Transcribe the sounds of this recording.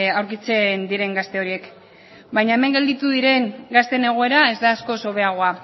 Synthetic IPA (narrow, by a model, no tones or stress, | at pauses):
awɾkit͡se̞nd̪iɾe̞ŋɡast̪e̞o̞ɾie̞k | bajɲaeme̞ŋɡe̞ld̪it̪uðiɾe̞ŋɡast̪e̞ne̞ɣ̞o̞e̞ɾae̞zd̪aːsko̞so̞βe̞aɣ̞o̞a